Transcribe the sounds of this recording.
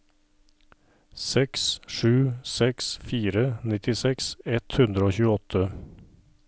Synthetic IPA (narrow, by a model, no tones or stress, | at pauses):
sɛksʂʉːsɛksfiːɾənɪt̪ɪsɛksɛt̪hʉnd̪ɾəoːçʉːəɔt̪ʰə